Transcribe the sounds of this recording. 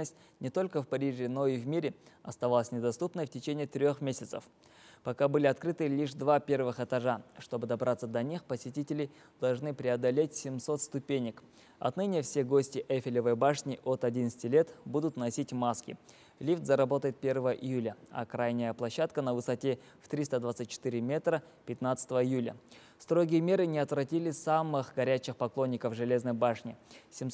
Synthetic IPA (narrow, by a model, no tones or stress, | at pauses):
əsʲt̚ʲ | nʲɪt̪o̞lʲkəfpɐɾʲiʐɪno̞ivmʲiɾʲɪɐst̪ɐvalˠəsʲnʲɪd̪ɐst̪upnəjftʲɪt͡ɕenʲɪjt̪ɾʲo̞xmʲesʲɪt̪sə̰f | pɐkabɨlʲɪɐt̪kɾɨt̪ɨlʲiʂd̪vapʲe̞rvɨxɛt̪ɐʐaʂt̪o̞bɨd̪ɐbɾʔat̪sːəd̪ɐnʲixpəsʲɪtʲitʲɪlʲɪ | d̪̥ɐlˠʐnɨpɾʲɪɐd̪ɐlʲetʲsʲɪmso̞t̪st̪ʊpʲenʲːɪk | ɐ̰t̪nɨnʲɪjəfsʲe̞ɡo̞sʲtʲɪʔɛfʲɪlʲɪvəjbaʂnʲɪʔot̪ɐdʲint̪sə̥tʲɪlʲe̞t̪bud̪ʊt̪nɐsʲitʲmaskʲɪ̰ | lʲift̪zɐɾɐbo̞t̪əjɪt̪̚pʲe̞rvəvəʔɪjulʲəɐ̰kɾajnʲɪjəplˠɐɕːat̪kənəvɨsɐtʲe̞ | ft̪ɾʲist̪ad̪vat̪sɨt̚ʲt͡ɕːɪ̥t̪ɨɾʲɪmʲe̞t̪ɾə | pʲɪt̪nat̪sə̥t̪əvəɪjulʲə̰ | st̪ɾo̞ɡʲɪjəmʲe̞ɾɨnʲɪɐt̪vɾɐtʲilʲɪsamɨxɡɐɾʲæt͡ɕɪxpɐklˠo̞nʲːɪkəfʐɨlʲe̞znəjbaʂnʲɪsʲɪm